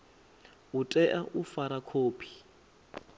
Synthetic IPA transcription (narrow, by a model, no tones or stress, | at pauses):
utʼɛʔaʔufaɾakʰoːpʰi̥